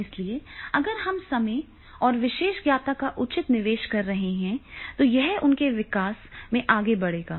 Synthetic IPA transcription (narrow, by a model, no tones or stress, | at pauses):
ɪslieɐɡəɾɦɐmsɐme | ɔːɾʋɪʃeːʃɡjaːt̪akaʔʊt͡ʃɪt̪nɪʋeːʃkɐɾːɐɦeɦɛ̃t̪ojɛɦʊnkeʋɪkaːsmẽʔaːɡebɐɽeːɡa̰ː